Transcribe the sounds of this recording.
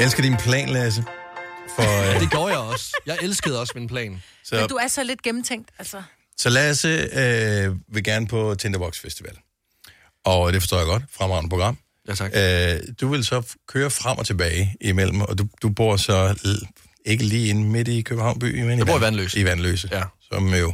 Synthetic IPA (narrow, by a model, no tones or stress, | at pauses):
elsɡ̥əɐd̥inpʰlɛ̰ːnlæs̬əfɒd̥e̝ɡjɔ̰ːjɑ̈ɪɒ̽sjɑ̈ɪelsɡ̥əð̞̩ˠɒ̽sminpʰlɛ̰ːn | sɒ̽duæɐsɒ̽le̝d̥̚ɡ̥emm̩t͡sʰeŋ̰d̥ælsɐ | sɒ̽læsəøʋe̝ɡ̥æɐnəpʰɒ̽t͡sʰend̥ɐb̥ɒ̽ɡ̥sfesd̥iʋɛ̰l | ʔɒ̽d̥e̝fɒsto̰ːjaɡ̥ɒ̽d̥fʁamɑ̈ʊ̰nəpʰʁo̥ʁɑ̈m̰ | ød̥uʋe̝lsɒ̽kʰøːɐfʁam̰ʔɒ̽t͡sʰe̝b̥ɛːɪimel̰m̩ɒ̽d̥ud̥ub̥o̝ɐ̰sɒ̽ | e̝ɡ̥əliːe̝nme̝d̥ikʰøb̥̩̚hɑ̈ʊ̰nb̥y̰ːmenib̰ɐʋænlø̰ːsiʋænlø̰ːsəsɒ̽mjo̝